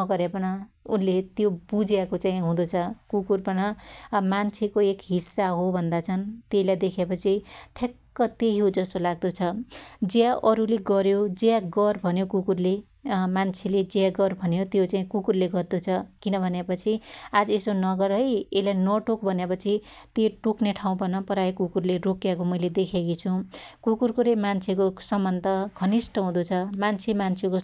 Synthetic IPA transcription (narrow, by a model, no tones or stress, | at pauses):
nʌɡʌɾjapʌnʌ | unlet̪jobud͡zjakot͡saĩɦũd̪ot͡sʰʌkukurpʌnʌmant͡sʰekoekɦisːaɦobʱʌnd̪at͡sʰʌnt̪eilajd̪ekʰepʌt͡sʰiʈʰekːʌt̪eɦiod͡zʌst̪olaɡ̚d̪ot͡sʰʌd͡zjaʔʌɾuleɡʌɾjod͡zeaɡʌrbʱʌnjokukurle | mant͡sʰeled͡zaɡʌrbʱʌnjot̪jot͡saĩkukurleɡʌrd̪ut͡sʰʌkinʌbʱʌnepʌt͡sʰiad͡zesonʌɡʌɾʌjelanʌʈokbʱʌnjepʌt͡sʰi | t̪eʈukneʈʰaũpʌnʌpʌɾajekukurleɾokjakomʌjled̪ekʰekit͡sʰukukurkoɾemant͡sʰekosʌmːʌnt̪ʌɡʱʌnisʈʌɦũd̪ut͡sʰʌmant͡sʰemant͡sʰeko